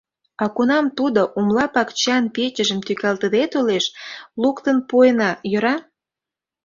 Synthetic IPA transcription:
ɑkunɑmt̪ud̪oʔumlɑpɑkt͡ɕɑnpet͡ɕə̆ʒə̆mt̪ykɑlt̪əd̪et̪uleʃlukt̪ənpujənɑjøɾɑ

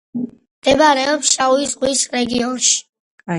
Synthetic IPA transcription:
md̪̥ɛbaɾɛɔpsʃauizʁwisɾɛɡiɔnʃi̥

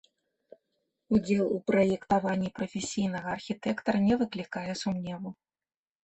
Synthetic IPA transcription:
ud͡zʲɛlˠupɾɐjɛkt̪avanʲːipɾɐfʲesʲijnɐɣɐːrxʲit̪ɛkt̪ɐɾɐnʲɛvɨklʲikajɛsumnʲɛvu

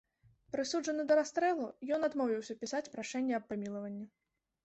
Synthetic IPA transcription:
pɾɨsuʐɐnɨd̪ɐɾast̪ɾɛlˠujɔn̪ad̪mɔwvʲiwsʲɐpʲisat͡sʲpɾaʂɛnʲːɛɐpːamʲilˠɐvɐnʲːi

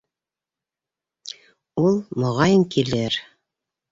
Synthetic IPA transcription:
ulˠmŏʁɑjɤŋkilɘɾ

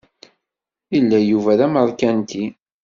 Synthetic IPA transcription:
ilːæjuvæðæməɾˤkænt̪i

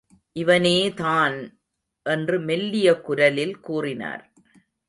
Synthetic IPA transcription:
ʔɪʋɐneːt̪aːn | ʔɛndrɯmɛlːɪjɐkʊɾɐlɪlkuːrɪna̰ːɾ

